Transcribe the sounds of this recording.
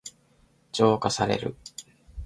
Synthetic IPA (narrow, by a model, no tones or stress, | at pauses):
d͡ʑo̞ːkasaɾe̞̰ɾɯ̟̰